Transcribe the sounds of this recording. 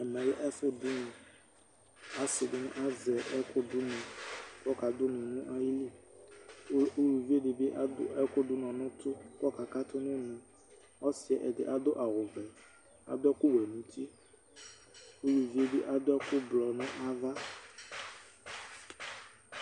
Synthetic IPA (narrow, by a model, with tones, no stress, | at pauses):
ɛ˨mɛ̃˨lɛ˦ʔɛ˦fʊ˦dʊ˦nũ˨ | a˦sɪ˨dɪ˨nʊ̰̃˦ʔa˦zɛ˨ʔɛ˦kʊ˦dʊ˦nũ˨kɔ˦ka˨d̪ʊ˦nũ˨nũ˦ʔa˦ji˦li˦ | u˦lu˨vi˦e˦ɖɪ˨be˦ʔa˦ɛ˦kʊ˦dʊ˦nɔ̃˨nʊ̃˦t̪ʊ˦kɔ˦ka˨ka˦t̪ʊ˦nʊ̃˦nũ˨ | ɔ˦sɪ˨ɛ˨ʔɛ˨dɪ˨ʔa˦d̪ʊ˦ʔa˨ɣo˨ɡ͡bɛ˨ | a̰˨d̪ʊ˦ɛ˦kʊ˦wɛ˨nũ˨˦t̪i˦ | u˦lu˨vi˦e˦be˦ʔa˨d̪ʊ˦ɛ˦kʊ˦blɔ˨nʊ̃˦ʔa˦va˦